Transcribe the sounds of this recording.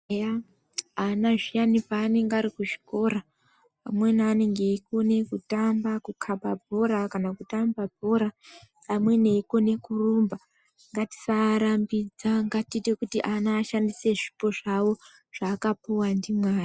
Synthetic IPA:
ja | anaʐijanipaːne̞ŋɡaɾikuʐi̥ko̞ːɾa | pa̰mwenaːne̞ŋɡe̞ikone̞kutambakukʰaɓabʱo̞ɾakanakutambabʱo̞ɾa | pamwe̞ne̞ikone̞kuruːmba | ŋɡati̥saɾambid͡zaŋɡatite̞kutiʔanaːʃandise̞ʐi̥po̞ʐawo̞ | ʐ̥aːkapuwandimwaːja

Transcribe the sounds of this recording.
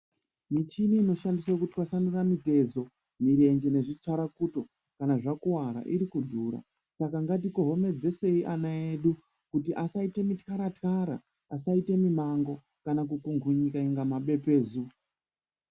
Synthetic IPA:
mit͡ʃiniːno̞ʃandiswakutikwasanduramite̞zo̞ | miɾe̞nd͡ʒene̞ʐit͡ʂaɾakuto̞ | kanaʐakuwaɾa̰ʔiɾikudʱuːɾa̰ | sakaŋɡat̬ikoɦo̞me̞d͡ze̞se̞iʔanaeɗu | kutiʔasaite̞mitkaɾatkaɾa̰ː | saite̞mimaŋɡo̞ | kanakukuŋɡʱuɲikaiŋɡamaɓe̞pe̞ːzu

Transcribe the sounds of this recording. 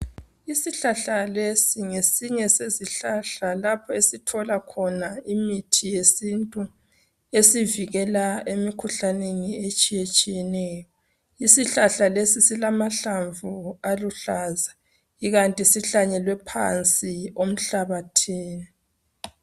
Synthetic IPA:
isiɬaɬalesiŋesiɲɛseziɬaɬalapʰɔesitʰɔlakʰɔnaimitʰijesintʼu | esiviɣɛlaemikʰuɬaneniet͡ʃʼijet͡ʃʼijɛnɛːjɔ | isiɬaɬalesisilamaɬaɱvualuɬaːza | iɣantʼisiɬaɲɛlwɛpʰa̰nt͡sʼiom̩ɬaβatʰeːni

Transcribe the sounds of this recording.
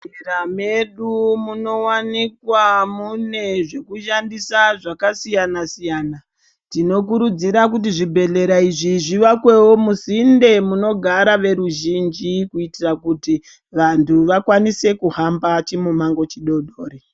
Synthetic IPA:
beɾame̞ɗumuno̞wanikwamune̞ʐe̞kuʃandisaʐakasijanasijaːna | tino̞kuɾud͡ziɾakutiʐibʱe̞ɮe̞ɾaiʐiʐiʋakwe̞womusinde̞muno̞ɡʱaɾaʋe̞ɾuʒind͡ʒikuitirakuti | ʋantʰuʋakwanise̞kuhambat͡ʃimumaŋɡo̞t͡ʃiɗo̞ɗoːɾe

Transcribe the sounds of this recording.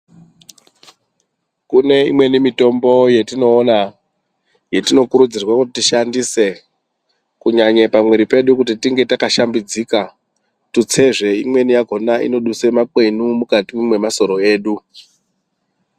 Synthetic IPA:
kune̞ḭmwe̞nimito̞mbo̞je̞tino̞ːna | je̞tino̞kuɾud͡zirwakutitiʃandise̞ | kuɲaɲepamweɾipe̞ɗukutitiŋɡe̞takaʃambid͡zika | tut͡se̞ʐe̞imwe̞nijaɡʱo̞naʔḭno̞ɗuse̞makwe̞numukatimumwe̞maso̞ɾo̞e̞ːɗu

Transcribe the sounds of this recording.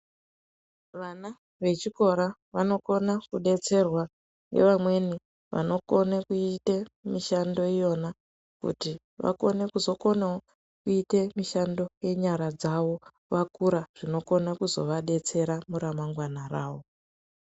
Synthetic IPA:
ʋana | ʋe̞t͡ʃiko̞ɾaʋano̞ko̞nakuɗe̞t͡se̞rwa | ŋḛʋamwe̞ni | ʋa̰no̞ko̞nekuite̞miʃando̞ijo̞na | kṵti | ʋa̰ko̞ne̞kuzo̞konawo | kuite̞miʃando̞je̞ɲaɾad͡zaʋo̞ | ʋakuɾaʐ̥ino̞ko̞nakuzo̞ʋaɗe̞t͡se̞ɾamuɾamaŋɡwanaraːʋo

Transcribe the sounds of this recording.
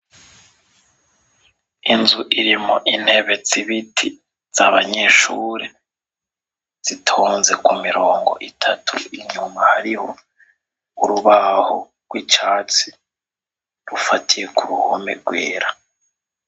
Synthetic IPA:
inzuʔiɾimoʔin̥he̞βe̞t͡siβitʰi | z̥aβaɲe̞ːʃuːɾe | z̥itʰoːnze̞kumiɾoːŋɡo̞̰ʔitʰatʰuiɲumahaɾiho̞ | uɾuβaho̰ | ɡɡwit͡ʃaːt͡si | ɾufatʰije̞kuɾuho̰me̞̰ɡweːɾa

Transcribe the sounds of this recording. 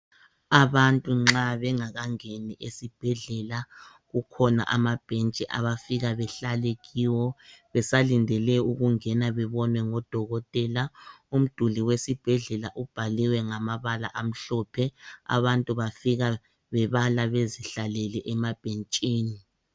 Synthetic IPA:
aβantʼuŋ͡ǁaβɛŋaɣaŋeniʔesib̥ʱɛɮɛla | ɣukʰɔna̰ʔamab̥ʱɛnt͡ʃʼɛʔa̰βafiɣaβɛɬalɛɣiːwɔβɛsalindʱɛlɛuɣuŋɛnaβɛβɔnwɛŋɔd̥ʱɔɣɔtʼɛːlaum̩d̥ʱuliwesib̥ʱɛɮɛlaʔub̥ʱaliwɛŋamaβala̰ʔam̩ɬɔːpʰɛa̰βantʼuβafiɣa | βɛβalaβeziɬalɛlɛʔɛmab̥ʱent͡ʃʼiːni

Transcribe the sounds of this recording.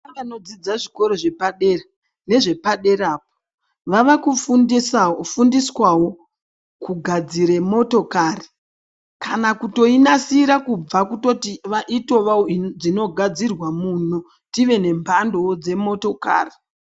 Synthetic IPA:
ano̞d͡zid͡zaʐiko̞ɾo̞ʐe̞paɗe̞ra | ne̞ʐe̞paɗe̞ɾaːp̚o̥ | ʋaʋakuu | fundiswawo̞ | kuɡʱad͡ziɾe̞mo̞to̞kaːri | kanakuto̞inasiɾakub͡vakuto̞tiʋaʔito̞ʋaoid͡zino̞ɡʱad͡zirwamun̤o | tiʋe̞ne̞mbando̞d͡ze̞mo̞to̞ka̰ːri

